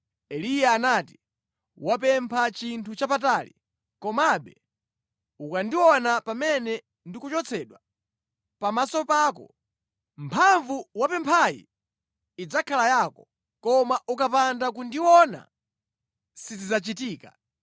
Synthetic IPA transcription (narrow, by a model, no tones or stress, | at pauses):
ɛlijaːnaːti̥ | wap̬ɛmpʰat͡ʃintʰut͡ʃapatalḭ | kɔmaɓɛ | ukandiwɔnapamɛnɛ | ndikut͡ʃɔt͡sʰɛɗwa | pamasɔpaːkɔ̰ | mpʰaɱvuwapɛmpʰajḭː | d͡zakʰalajaːkɔ | kɔmaʔukapandak̬undiwɔna̰ | sizizat͡ʃitiːka